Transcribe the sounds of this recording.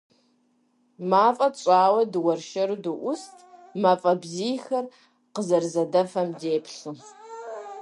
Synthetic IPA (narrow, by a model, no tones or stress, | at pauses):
maːfʼɐɕʼaːwɐdɨwɐrʃɐɾudɨʔʷʊstʰʼmaːfʼɐbziːjxɐr | qəzɐrzɐdɐfɐmdeːpʰɬɨ